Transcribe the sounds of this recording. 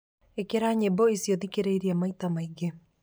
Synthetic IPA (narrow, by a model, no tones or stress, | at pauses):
ekeɾaɲebɔisjɔðikeɾeiɾiamait̪amaiɡe